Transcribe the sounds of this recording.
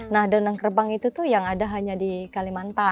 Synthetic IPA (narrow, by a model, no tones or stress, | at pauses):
nahdanaŋkərbaŋit̪ut̪uhjaŋadaɦaɲadikalimant̪a